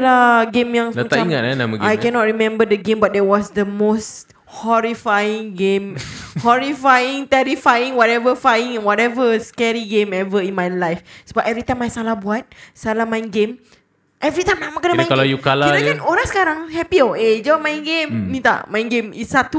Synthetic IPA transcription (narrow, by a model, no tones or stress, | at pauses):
laɡẽmjãŋsəməaãimŋat̚anamaɡajɛnɔt̚ɹimɛ̃mbədəɡẽmbat̚dɛwɔsdəmos | hɔɹifajĩŋɡẽmhɔɹifajĩŋt̪ɛɾifajĩŋwɔɾɛvəfajĩŋɛ̃nwɔtɛvəskɛɹiɡẽmɛvəĩnmajlajfsobap̚ɛvɾit̪ãjmajsalabuat̪̚salamãĩnɡẽm | ʔɛvɾit̪ãjmamakanəmaj̃kalajukalaaoɾasə̥kaɾaŋhɛpioed͡ʒamãjĩnɡẽmnĩt̪a̰mãj̃ŋɡẽmisat̪u